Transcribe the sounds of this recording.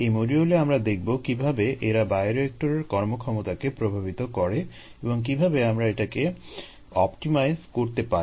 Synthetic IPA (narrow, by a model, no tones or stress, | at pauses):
emoɾioleamɾad̪ek̚ʰbokibʱabeʔeɾabajɾoek̚ʈoɾeɾkɔɾmokʰɔmot̪akepɾobʱabit̪okɔɾe | ebɔŋk̬ibʱabeamɾaeʈake | ɔpʈimajzkoɾt̪epaɾi